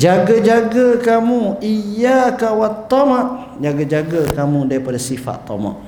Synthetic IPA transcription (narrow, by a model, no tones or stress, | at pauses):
d͡ʒaɡad͡ʒaɡakamuijakawat̪ːɔmaʔ | d͡ʒaɡad͡ʒaɡəkamudaɾipadasifa̰t̪ːɔ̰ma̰ʔ